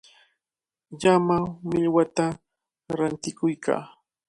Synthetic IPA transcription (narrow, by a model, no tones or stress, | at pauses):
ʎamamɪʎwat̪a | ɾant̪ɪkʊjkʰa̰ː